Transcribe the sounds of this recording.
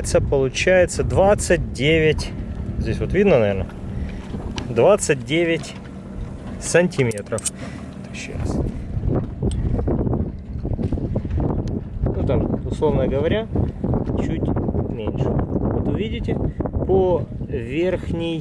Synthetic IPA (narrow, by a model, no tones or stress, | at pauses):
ɪt̪səpəlˠʊt͡ɕæjɪt̪səd̪vat̪sɨt̚ʲdʲevʲɪtʲzʲdʲesʲvot̪vʲid̪nənɐvʲernə̰ | d̪vat̪sɨt̚ʲdʲevʲɪtʲ | sənʲtʲɪmʲet̪ɾəf | ɛt̪əɕa̰s | nut̪amʊslˠo̞vnəɡəvɐɾʲa | t͡ɕutʲmʲenʲʂɨvot̪ʊvʲidʲɪtʲɪpovʲerxnʲɪ